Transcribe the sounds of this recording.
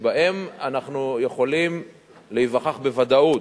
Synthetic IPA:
baʔemanaχnujeχo̞lim | leivaχaχbevad̪aut

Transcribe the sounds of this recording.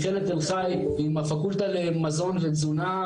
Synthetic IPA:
χelet̪enχaj | veimafakult̪alemazo̞nvezuna

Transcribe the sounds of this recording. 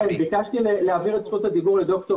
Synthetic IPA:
enbikaʃt̪ileleaviʁet͡sχut̪ad̪iɡuʁled̪o̞kt̪o

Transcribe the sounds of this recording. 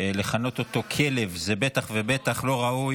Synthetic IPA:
le̞χano̞t̪o̞t̪o̞kʰe̞le̞vzebe̞t̪aχvebe̞t̪aχlo̞ʁauj

